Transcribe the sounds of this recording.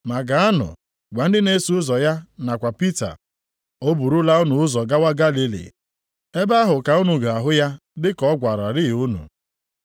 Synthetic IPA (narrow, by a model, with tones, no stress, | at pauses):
ma˨ɡa˨a˦nʊ̰˨ | ɡʷa˨n̩˦dɪ˦ne˦su˨˦ʊ˦zɔ˨ja˦na˨kʷa˨pi˦ta̰˨ | o˦bu˨ɾu˦la˦ʊ˦nʊ˨ʊ˦zɔ˨ɡa˦wa˦ɡa˦li˦lḭ˨ | e˦ba˦ɦʊ˨ka˨u˦nu˨ɡa˨a˨ɦʊ˦ja˦ | dɪ˦kɔ˦ɡʷa˨ɾa˨ɾɪ˦˨u˦nṵ˨